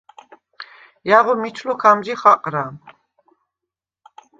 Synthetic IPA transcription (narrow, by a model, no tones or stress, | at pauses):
jaʁɔmit͡ʃʰlukʰamd͡ʒiχaqʼɾa